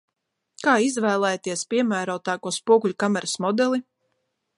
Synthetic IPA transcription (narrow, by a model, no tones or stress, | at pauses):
kaːizvæːlˠɛːjt̪iɛspʲiɛmæːɾoːt̪aːkuɔspuɔklʲukamɛɾəsmɔd̪ɛlˠi